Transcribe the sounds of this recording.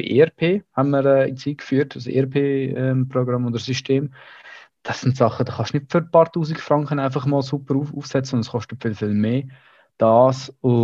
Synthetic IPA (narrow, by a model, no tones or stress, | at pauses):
ḭʔḛɛɾpʰeːhænməɾɛːɪ̰t͡siːkfyːɾtəsḛɛɾpʰeːɛmprɔɡɾɑmodəɾsyʃteːm | d̥ɑsːɪntsɑχːəd̥ɑχɑʃnɪtfʏɾpɑːɾtuːsiɡfɾɑŋkχənaɪfɑχmɔːlsupəɾuuːfsɛt͡səʊndəsχɔʃtətfɪlfɪlmeː | d̥ɑːsʊ